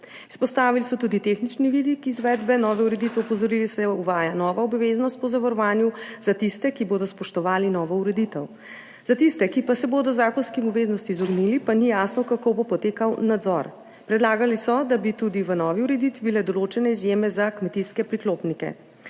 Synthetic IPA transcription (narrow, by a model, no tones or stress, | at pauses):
i̥spɔst̪aːʋilisɔt̪uːd̪it̪exnit͡ʃniʋid̪ikizʋɛːd̪bɛnɔːʋɛuɾɛd̪it̪ʋɛɔpɔzɔɾilisɛjɔuʋaːjanɔːʋaɔbʋeznɔst̪̚pɔzaʋaɾɔʋaːnjuzat̪ist̪ɛkiboːd̪ɔspɔʃt̪ɔʋaːlinɔːʋɔuɾɛd̪it̪əw | z̥at̪ist̪ɛkipasɛboːd̪ɔzaːkɔnskimɔbʋeznɔst̪iːzɔɡnilipanijaːsnɔkakobopɔt̪eːkawnad̪zɔ̰ɾ | pɾɛd̪laːɡalisɔd̪abit̪ud̪iʋənɔʋiuɾɛd̪it̪ʋibilɛd̪ɔlot͡ʃɛnɛizjemɛzakmɛt̪iskɛpɾikloːpnikɛ̰